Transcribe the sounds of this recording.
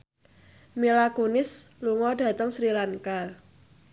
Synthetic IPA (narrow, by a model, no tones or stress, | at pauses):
milakonɪsluŋɔɖä̤t̪əŋsɾilaŋka